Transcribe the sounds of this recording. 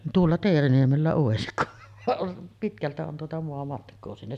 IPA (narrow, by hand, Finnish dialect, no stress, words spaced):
tuolːɑ teːriniemelːæ oˑesik ku ʋɑʔ ʔon pitkæltæ on tuotɑ moɑmɑtkˑoː sinːe